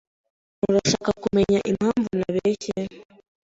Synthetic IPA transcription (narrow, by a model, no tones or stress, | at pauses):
uɾaʃakakumɛɲaʔimaɱvunaβɛcɛn